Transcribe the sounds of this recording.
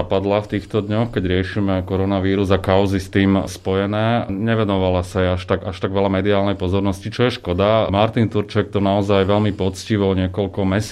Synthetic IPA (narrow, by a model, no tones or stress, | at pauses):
apad̪laft̪iːxt̪ɔd̪ɲɔxkɛɟɾɪɛʃimɛkɔɾɔnaʋiːɾuzakaʊzist̪iːmspɔjɛnɛːɲɛʋɛnɔʋalasajɛaʃt̪aɡaʃt̪aɡʋɛlamɛd̪iaːlnɛjpɔzɔɾnɔscit͡ʃɔjɛʃkɔd̪amaɾt̪int̪uɾt͡ʃɛk̚t̪ɔnaɔzajʋɛlmipɔt͡sciʋɔɲɪɛkɔlkɔmɛs